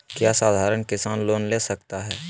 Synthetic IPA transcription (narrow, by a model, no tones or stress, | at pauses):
kjaːsaːd̪ʱaːɾəɳkɪsaːnloːnleːsɐk̚t̪aɦɛː